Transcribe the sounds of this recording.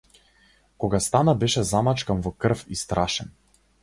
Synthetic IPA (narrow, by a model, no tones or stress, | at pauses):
kɔɡast̪anabɛʃɛzamat͡ʃkanvɔkr̩fist̪ɾʔaʃɛn